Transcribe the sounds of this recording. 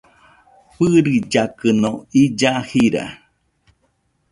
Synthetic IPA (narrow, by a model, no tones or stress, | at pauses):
ɸɨɾid͡ʒakɨnoid͡ʒahiɾa̰